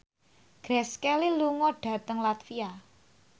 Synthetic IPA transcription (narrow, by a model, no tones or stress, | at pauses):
ɡ̥ɾɛskɛliluŋɔɖ̥a̤t̪əŋlat̪fia